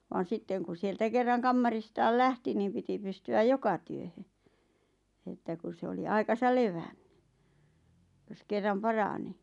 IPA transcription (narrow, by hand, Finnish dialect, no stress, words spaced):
ʋɑːn̞ sitːeŋ kun̞ sieltæ kerːɑŋ kɑmːɑristɑːl læhti niːm piti pystyæj jokɑ tyøhø etːæ kus se oli ɑikɑsɑl leʋænn̥ẙ jos kerːɑm pɑrɑni